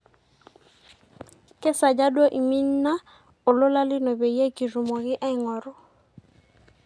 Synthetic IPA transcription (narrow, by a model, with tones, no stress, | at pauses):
kɛ˦sa˨d͡ʒa˦dwɔ˦ʔi˨mi˦n̩˦na˦ | o˨lʊ˦la˦lɪ˦nɔ˨be˨je˦˨ki˨ru˨mɔ˨ɣɪ˦ʔa˦ɪ˨ŋɔ˨ɾɔ˨